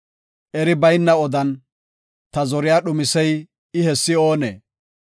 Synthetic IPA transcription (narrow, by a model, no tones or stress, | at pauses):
ʔɛɾɪbɐjnːɐɔd̪ɐn | t̪ɐzɔɾɪjaːɗʊmɪsɛj | ɪhɛsːɪo̞ːnḛː